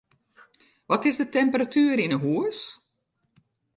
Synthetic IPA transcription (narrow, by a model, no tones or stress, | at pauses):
ʋɔtɪsdətɛmpəratyːəɾɪnəɦuəs